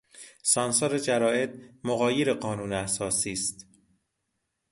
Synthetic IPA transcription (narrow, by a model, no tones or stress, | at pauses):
sɒːnsoɾed͡ʒæɾɒːe̞t̪̚moɣɒːjeɾeɢɒːnuːneæsɒːsiːst̪